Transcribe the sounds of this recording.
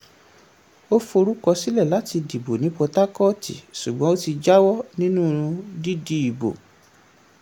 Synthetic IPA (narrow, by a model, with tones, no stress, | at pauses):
o˦fo˧ɾu˦kɔ˧si˦lɛ˦˨la˨˦ti˧di˨bo˨nĩ˨˦k͡pɔ˧ta˦kɔ˦˨tḭ˨ʃu˨ɡ͡bɔ̃˨˦o˦ti˧d͡ʒa˦wɔ˦nĩ˦nũ˦˧di˦di˦i˨bo̰˨